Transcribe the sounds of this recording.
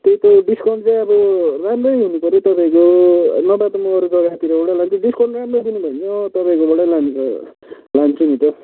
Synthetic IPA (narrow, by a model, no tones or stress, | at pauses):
t̪ejt̪oɖiskʌɳɖt͡sãj̃ʌbʌramrʌjɦunupʌɾit̪ʌpaĩkonʌbat̪ʌmuʌɾud͡zʌɡat̪iɾʌoɽalant͡sʰiɖiskoɳɖramrʌd̪inubʱʌnnʌt̪ʌpaĩkoboɽalan | lant͡sʰunit̪ʌ